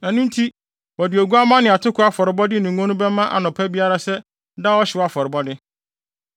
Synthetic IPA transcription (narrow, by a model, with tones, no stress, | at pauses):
nã˨nʊ̃˦n̩˦tʰi˦ | wɔ˨dɪ˨o˨ɡu˦a˦mã˦nɪ̃˨a˨tʰʊ˦kʊ˦a˦fɔ˨ɾɪ˨bɔ˦dɪ˦nũ˨ŋ˦ɔ̃˦nʊ̃˦bɛ˦mã˦ʔa̰˨nʊ̃˨pʰɛ˦bi˦a˦ɾa˦sɛ˦ | da˦wɔ˦ɕɪ˨ɔ˦a˦fɔ˨ɾɪ˨bɔ˦dɪ˦